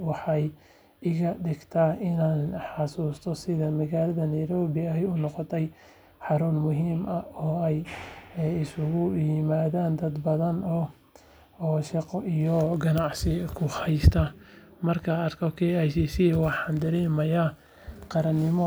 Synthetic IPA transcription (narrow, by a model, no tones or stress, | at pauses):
wɑħɑj | ɪɣɐɖɪɡt̪ʰaʔɪnaːnħɑsuːst̪ʰɔsɪðɐmɐɣaːlɐðɐnɛjɾɔːβɪɐɛjʊnɔqɔt̪ʰɛj | ħɑɾʊnmʊɦiːmʔɐɔːɛj | ɪsʊɣʊjɪmaːðaːnd̪ɐd̪bɐðɐnɔ | ʃɑqɔijɔɡɐnɑʕsɪkʰʊhɛjst̪ʰɐ | mɐrkʰɐːrkʰɔkʰɛɛʃisɪwɑħɑnd̪ɐɾɛːmɐja | qɑɾɐnɪmɔ